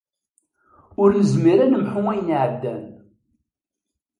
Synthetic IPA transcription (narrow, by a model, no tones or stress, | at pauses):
ʊɾəzmiɾænəmħʊŋæjənʕəbd̪æn